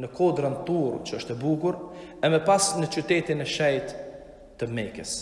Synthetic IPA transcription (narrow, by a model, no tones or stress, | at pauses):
nəkʰɔd̪ɾant̪uɾt͡ʃəɔʃt̪ɛbuɡuɾɛmɛpasnət͡ʃyt̪ɛt̪inɛʃɛjt̪ː | əmɛkəs